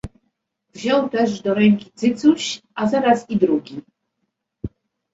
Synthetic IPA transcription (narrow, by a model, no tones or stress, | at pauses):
vʑɔ̃wt̪ɛʐd̪ɔɾɛŋkʲit̪sɘt̪suɕʔazaɾasid̪ɾuɡʲi